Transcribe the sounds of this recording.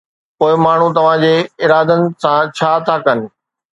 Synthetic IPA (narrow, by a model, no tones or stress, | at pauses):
poːɪmaːɳ̤ũt̪ɐʋ̤ãd͡ʑeːɪɾaːd̪ənɪ̆sãt͡ɕʰaːt̪ʰakɐnɪ̆